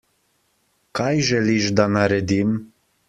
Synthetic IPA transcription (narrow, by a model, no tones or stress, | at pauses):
kajʒɛliʒd̪anaɾed̪im